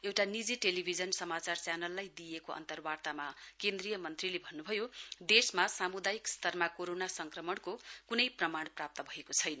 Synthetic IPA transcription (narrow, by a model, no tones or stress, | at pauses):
ewʈanid͡ziʈelibʱid͡zʌnsʌmat͡sart͡sjanʌlːajd̪ijekoʔʌ̰nt̪ʌrbart̪amakẽnd̪rijʌmʌnt̪rilebʱʌnːubʱʌjod̪esmasamud̪ajikst̪ʌrmakoɾonasʌŋkrʌmʌɳkokunʌjprʌmaɳprap̚t̪ʌbʱʌekot͡sʰʌjnʌ